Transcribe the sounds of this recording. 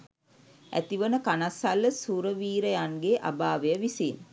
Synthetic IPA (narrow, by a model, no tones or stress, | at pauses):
æ̰t̪iʋənəkanasalːəsuɾəʋiːɾəjanɡeʔa̰baːʋejəʋisen